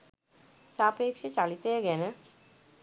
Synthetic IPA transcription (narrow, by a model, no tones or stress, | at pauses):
saːpeːkʃet͡ʃalit̪əjəɡɛnə